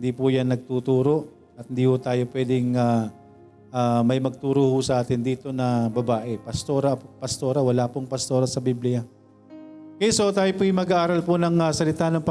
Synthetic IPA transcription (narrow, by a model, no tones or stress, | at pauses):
ɪnd̪iːpʊjanːɐɡ̚t̪uːt̪uːɾo̞ʔ | ɐt̪hɪnd̪iːhʊt̪aːjo̞pwɛd̪ɪŋa | ʔamɐjmɐɡ̚t̪uːɾohʊsɐʔaːt̪ɪnd̪iːt̪o̞nɐbɐbaːʔɛpɐst̪oɾɐpɐst̪o̞ːɾɐwɐlaːpoŋpɐst̪o̞ːɾɐsɐbiblɪja | kɛsot̪aːjopojɪmɐɡaʔaːɾɐlponɐŋɐsɐlɪt̪aːnɐŋp